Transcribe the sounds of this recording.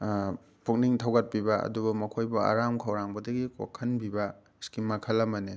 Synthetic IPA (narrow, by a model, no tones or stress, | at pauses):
pʰuk̚niŋtʰɐwɡɐt̚pibɐɐ̰dubɐmɐkʰojbɐa̰ɾamkʰɐwɾaŋbɐdɐɡiko̰kʰɐnbibɐ | skimːakʰɐlɐmɐne